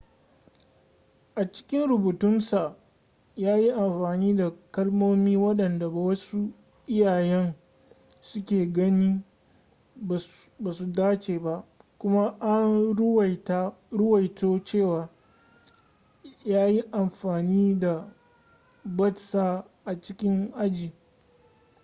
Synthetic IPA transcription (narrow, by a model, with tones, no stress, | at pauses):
ʔa˨t͡ʃɪ̥˦kʲɪ˦nɾʊ˨buː˨tʊ˦nsa˨ | jaː˦ji˦ʔa˨mɸaː˨niː˦da˨kɐ˦lmoː˦miː˦wɐ˦ɗɐ˨nda˨ba˨wɐ˦su˦ | ʔɪ˦jaː˨jɛ˦n | sʊ˦kʲeː˨ɡɐ˦niː˦ | ba˨su˨daː˦t͡ʃeː˨ba˦ʔkʷʊ˦ma˦ʔa˦n˦˨ | ta˦ɾʊ˦wɐ˨jtoː˦t͡ʃeː˦˨waː˨ | jaː˦ji˦ʔa˨mɸaː˨niː˦da˨ | bɐ˦tsa˦˨ | ʔa˨t͡ʃɪ˦kʲɪ˦ŋʔa˦d͡ʒiː˨